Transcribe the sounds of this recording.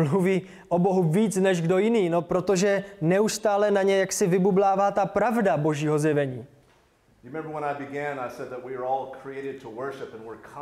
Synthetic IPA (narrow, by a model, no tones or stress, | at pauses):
luviː | ʔo̞bo̞ɦuviːt͡snɛʒɡdo̞jɪniːno̞pɾo̞t̪o̞ʒɛnɛust̪aːlɛnaɲɛjaksɪvɪbublaːvaːt̪apɾavdabo̞ʒiːɦo̞zjɛvɛɲiː | ɹɪmɛ̃mbə˞wə̃naɪbɨɡæ̃naɪsɛd̪̚ðət̚wiə˞ɔlˠkʰɹ̥ieɪɾɨd̚tʰəwɜ˞ʃɪpɨ̃nwɪɹkʰ